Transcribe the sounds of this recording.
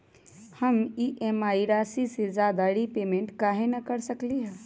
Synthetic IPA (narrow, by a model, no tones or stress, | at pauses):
həmiʔemaiɾasised͡ʒad̪aɾipemeɳʈkaɦenəkəɾsəkliɦɛ